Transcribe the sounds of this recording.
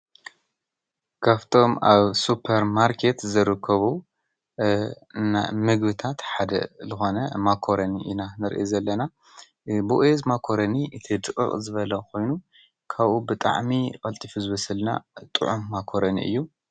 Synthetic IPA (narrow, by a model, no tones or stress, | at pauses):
kʰaft̪ʰo̞maβsupʰɐɾmaɾkʰe̞t̪zɨɾɨkʰːɐβu | na̰mɨɡbɨt̪ʰat̪ħad̪ɐ̰zɨxo̞nɐmakʰoɾɐniʔinanɨɾʔɨjozɐlːɐna | buʔezmakʰo̞ɾɐniʔɨt̪ʰid̪ɨkʼɨ̰χʼzɨβɐlɐkʰo̞jnu | kʰaβʔubɨt̪ʼa̰ʕmikʼɐlt̪ʼifuzɨβɐsɨlna̰t̪ʼɨ̰ʕumːakʰoɾɐnḭʔɨ̰jːu